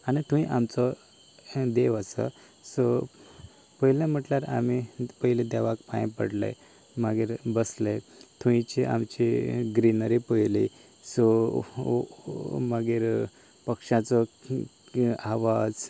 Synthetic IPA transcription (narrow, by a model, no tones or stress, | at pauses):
anit̪ʰuĩʔamt͡sɔ | d̪eʋəsə̰ | sɔ | pəɦlẽm̤əʈljaɾa̰mipəilẽd̪aʋakpã̰jpə̰ɽlə̰j | maɡiːɾbəsləjt̪ʰuĩt͡ɕiʔa̰mt͡ɕiɡɾinəɾipəjli | sɔ | məɡiːɾ | pəkʂãt͡sɔ | aʋad͡z